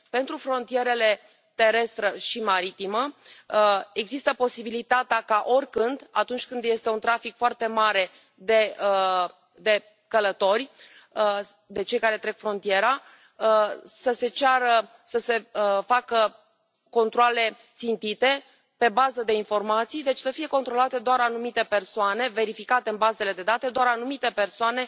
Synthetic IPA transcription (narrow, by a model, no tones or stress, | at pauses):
pe̞nt̪ɾufɾo̞nt̪ije̞ɾe̞le̞ | t̪e̞ɾe̞st̪ɾeʃimaɾit̪imə | e̞ɡzist̪əpo̞sibilit̪at̪eakaʔo̞rʲkɨnd̪a̰t̪unt͡ʃʲkɨnd̪je̞st̪eunt̪ɾafikfoart̪e̞maɾe̞ | d̪e̞ə | d̪e̞ | kələt̪o̞rʲ | d̪e̞t͡ʃe̞jkaɾe̞t̪ɾe̞kfɾo̞nt̪ije̞ɾa | səse̞t͡ʃaɾə | səse̞əfakə | ko̞nt̪ɾoale̞t̪sint̪it̪e̞ | pe̞bazəd̪e̞info̞rmat̪sijd̪e̞t͡ʃʲsəfije̞ko̞nt̪ɾo̞lat̪e̞d̪oaɾanumit̪e̞pe̞rsoane̞ve̞ɾifikat̪e̞ɨnbaze̞le̞d̪e̞d̪at̪e̞d̪oaɾanumit̪e̞pe̞rsoane̞